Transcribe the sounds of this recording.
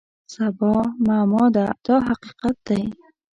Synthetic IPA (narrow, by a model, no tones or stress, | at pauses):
sabɔmamɔd̪ad̪̥ɔɦaqiqat̪̚d̪̥ai